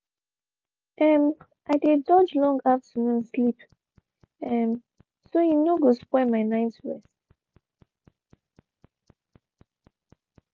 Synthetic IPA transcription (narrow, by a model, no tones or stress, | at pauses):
ʔɛm | ʔaɪdedɔd͡ʒlɔ̃ŋɡaftʰənũnslip | ɛm | sojinoɡospwɛmaɪnaɪtɹɛs